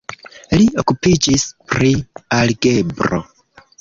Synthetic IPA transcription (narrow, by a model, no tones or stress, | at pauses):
lio̞kupid͡ʒispɾialɡe̞bɾo̰